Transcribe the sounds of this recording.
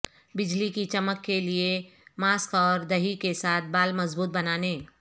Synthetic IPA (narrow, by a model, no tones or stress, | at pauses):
bɪd͡ʒlikit͡ʃɐməkːeliemaːskɔːɾd̪ɐɦikesaːt̪̚ʰbaːlmɐzbuːt̪̚bɐnaːneː